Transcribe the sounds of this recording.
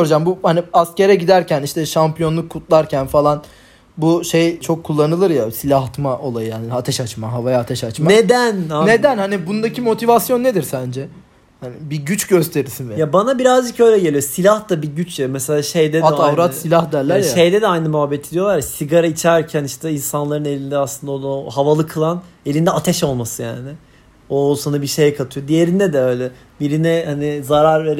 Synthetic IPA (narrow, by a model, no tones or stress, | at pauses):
oɾd͡ʒambuhaniasce̞ɾɛɟid̪æɾcʰæniʃt̪ɛʃampijo̞nlˠukʰːut̪lˠaɾcʰænfalˠan | buʃe̞jt͡ʃʰo̞kʰːulˠːanɯlˠɯɾjasilʲaɦt̪maʔo̞lˠajɯjaːniat̪ʰɛʃat͡ʃmaɦavajaːt̪ʰɛʃat͡ʃmaned̪ænaned̪ænhanibund̪acʰimo̞t̪ʰivasjo̞nːe̞d̪iɾsænd͡ʒɛ | hanɪbiɟyt͡ʃɟø̞st̪ʰe̞ɾiɾsinvɛjabanabiɾazd͡ʒɯkø̞jlʲɛɟelʲijo̞silʲahd̪abiɟyt͡ʃjamɛselʲaːʃe̞jd̪ɛdaɛavɾat̪ssilʲahd̪æɾlʲːæaʃe̞jd̪ɛd̪ɛajnɯmyɦabːet̪ʰid̪ijo̞lˠaɾjasiɡaɾait͡ʃʰæɾcʰæniʃt̪ʰɛinsanlˠaɾɯne̞lʲind̪ɛaslˠɯnd̪aod̪ɦavalˠɯkʰːɯlˠane̞lʲind̪ɛat̪ʰɛʃo̞lˠmasɯja̰ːnɪ | osanabiʃe̞jɛkʰat̪ʰɯjo̞d̪ije̞ɾind̪ɛd̪ɛø̞jlʲɛ | biɾinɛhanizaɾaɾve̞ɾ